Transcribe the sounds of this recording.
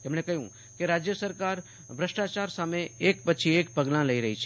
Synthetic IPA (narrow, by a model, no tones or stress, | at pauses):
ɐmnekɐɦjũ | keɾaːd͡ʒjəsəɾkaːɾ | bɾɐsʈaːt͡ʃaːɾsaːmẽeːkpɐːt͡ʃʰieːk̚pɐɡlãlɐiɾɐɦit͡ʃʰɛ